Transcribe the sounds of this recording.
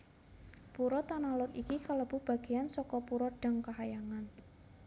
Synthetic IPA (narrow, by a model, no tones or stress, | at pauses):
puɾɔt̪analʊt̪ikikaləb̥ṳhb̥a̤ɡ̥ejansɔkɔpuɾɔɖ̥a̤ŋkaɦajaŋan